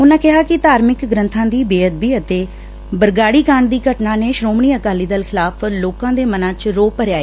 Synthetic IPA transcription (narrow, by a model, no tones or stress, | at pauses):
ʊnãːkɪɦaːkɪt̪aːɾmɪkɡɾə̃nt̪ʰãːd̪iːbeːəd̪̚biːət̪eː | bəɾɡaːɽiːkãːɳɖd̪iːɡəʈnãːneːʃɾoːmɳiːəkaːliːd̪əlkʰɪlaːpʰloːkãːd̪eːmənãːt͡ʃɾoːpəɾjaːeː